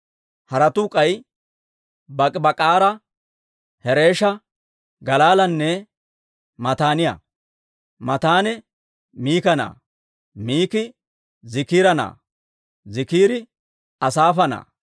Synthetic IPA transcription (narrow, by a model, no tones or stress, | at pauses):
hɐɾɐt̪ʊkʼɐj | bɐkʼɪbɐkʼaːɾɐ | hɛɾe̞ːʃɐ | ɡɐlaːlɐnːɛ | mɐt̪aːnɪjɐ̰ | mɐt̪aːnɛ | miːkɐna̰ː | miːkɪ | zɪkiːɾɐna̰ː | zɪkiːɾɪ | ɐsaːfɐna̰ː